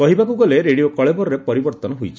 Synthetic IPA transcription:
kɔɦibakuɡɔleɾeɽiokɔɭebɔɾɔɾepɔɾibɔɾt̪ɔnɔɦujt͡ʃʰi̥

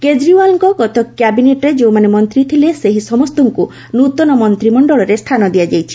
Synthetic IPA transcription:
ked͡ʒɾiwalɔŋkɔkɔt̪ɔkːjabineʈɔɾed͡ʒewmanemɔnt̪ɾit̪ʰileseɦisɔmɔst̪ɔŋku | nut̪ɔnɔmɔnt̪ɾimɔɳɖɔɭɔɾest̪ʰanɔd̪iad͡ʒajt͡ʃʰi̥

